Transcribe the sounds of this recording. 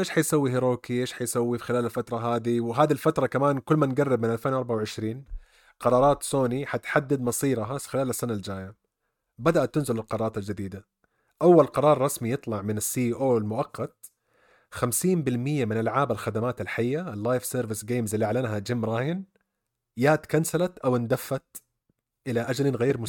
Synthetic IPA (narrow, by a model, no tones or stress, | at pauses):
ʔeːʃħajsawːiɦɪɾoːkiʔeːʃħajsawːixɪlaːlalfat̪ɾˤɑɦaːd̪iwɦaːd̪ilfat̪ɾˤɑkamaːnkʊlːmanɡarːɪbmɪnʔalfeːnʔɑɾˤbaʕawʕɪʃɾiːn | qɑɾˤɑːɾˤɑːt̪soːniħat̪ħad̪ːad̪mɑsˤiːɾɦaxɪlaːlasːanald͡ʒaːja | bad̪aʔat̪ːɪnzɪlɪlqɑɾˤːɾˤɑːt̪ald͡ʒad̪iːd̪a | ʔawːalqɑɾˤɑːɾˤːɑsmijɨt̪ˤlɑʕmɪnasːiːʔiːʔoːɪlmʊʔɑqːɑt̪̚ | xamsiːmbɪlmɪjːamɪnʔalʕaːbalxad̪amaːt̪alħajːaalːaːjfseːɾvɪsɡeːmzʔɪlːiʔaʕlanɦad͡ʒɪmːɾˤɑːhɪn | jaːt̪kansalat̪ʔawɪnd̪afːat̪̚ | ʔɪlaʔad͡ʒlnɣeːɾmʊ